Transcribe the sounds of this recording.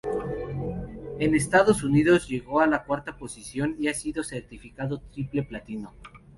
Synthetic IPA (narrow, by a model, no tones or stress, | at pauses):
e̞ne̞st̪aðo̞suniðo̞zʝe̞ɣo̞alakwaɾt̪apo̞sisjo̞niasiðo̞se̞ɾt̪ifikaðo̞t̪ɾiple̞plat̪ino̞